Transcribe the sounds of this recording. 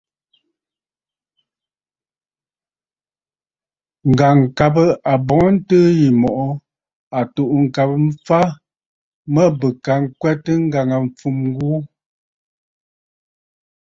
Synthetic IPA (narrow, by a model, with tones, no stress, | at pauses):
ŋ̩˨ɡa˨ŋ̩˨ka˨bə˦a˨bɔ˨ŋ˦n̩˦təː˦ji˨mɔ˨ʔɔ˦ | a˨tu˨ʔŋ̩˨ka˨pə˦m̩˦fa˦ | mə˦bə˨ka˨ŋ˦kwɛ˦tə˦ŋ̩˦ɡa˨ŋa˨ɱ̩˨p͡fu˨m˦ɡu˦